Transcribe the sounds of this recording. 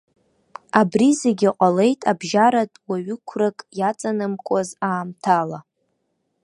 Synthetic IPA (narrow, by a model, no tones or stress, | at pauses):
abrizeɡʲiqʷʼale̞jtʼabʒaɾatʼwaɥʏkʷʰrakʼjat͡sʼanɨmkʷʼazaːmtʰala